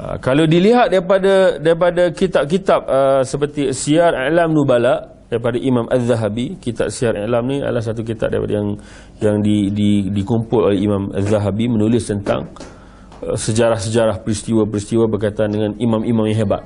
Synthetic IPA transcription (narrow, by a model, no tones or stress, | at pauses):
a̰kalawdiliɦat̪̚daɾipadadaɾip̬adakit̪ap̚kit̪ap̚əsəpərt̪isiaɾalamnubalaʔ | daɾipadaʔimãmʔaðːaɦabikit̪a̰p̚siaɾa̰lamnĩa̰də̰lahs̬at̪̬uk̬it̪ap̚da̰ḭpa̰da̰jaŋ | jaŋdididikumpʊlolɛhimãma̰ðaɦabimə̃nulɪst̪ənt̪a̰ŋ̰ | səd͡ʒaɾahsəd͡ʒaɾahpəɾist̪iwapəɾist̪iwabərkait̪aandəŋãnimãmimãmjaŋɦeba̰t̪̚